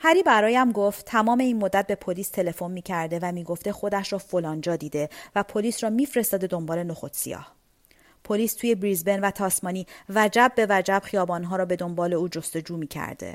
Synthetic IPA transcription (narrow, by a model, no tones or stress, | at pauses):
hæɾiːbæɾɒːjæmɡoft̪t̪ʰːæmɒːme̞iːnmod̪ːæt̪̚be̞pʰoliːst̪ʰe̞le̞fo̞nmiːcʰæɾd̪e̞væmiːɡo̞ft̪e̞xo̞d̪æʃɾɒːfolɒːnd͡ʒɒːd̪iːd̪e̞væpʰo̞liːsɾɒːmiːfɾe̞st̪ɒːd̪e̞d̪o̞mbɒːle̞noxot̪sḭjɒ̰ːh | pʰoliːst̪ʰuːje̞bɾiːzbenvæt̪ʰɒːsmɒːniːvæd͡ʒæb̚ːe̞væd͡ʒæbxijɒːbɒːnɦɒːɾɒːbe̞d̪o̞mbɒːle̞uːd͡ʒo̞st̪o̞d͡ʒuːmiːcʰæ̰ɾd̪e̞̰